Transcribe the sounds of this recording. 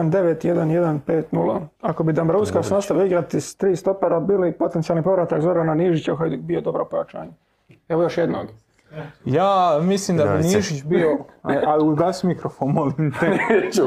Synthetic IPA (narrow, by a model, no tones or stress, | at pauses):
nd̪e̞ʋet̪je̞d̪anje̞d̪anpeːt̪nulaako̞bid̪ambɾuskasnast̪aʋjoiɡɾat̪ist̪ɾiːst̪o̞peɾabiːlipo̞t̪ent̪sialˠnipo̞ʋɾat̪akzoɾananiːʒit͡ɕauxajd̪ikbijod̪o̞bɾapojat͡ʃa̰ːɲa | eʋo̞jo̞ʃjed̪noɡ̪ | jaːmislimd̪abiniːʒit͡ɕbioauɡlasmikɾofonmolimt̪enet͡ʃu